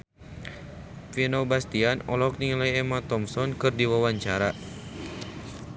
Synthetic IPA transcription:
finobast̪ianɔlɔk̚niŋlajɛmat̪ɔmsɔnkɨrdiwawaɲt͡ʃaɾa

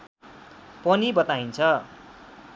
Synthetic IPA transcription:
pʌnibʌt̪aint͡sʰʌ

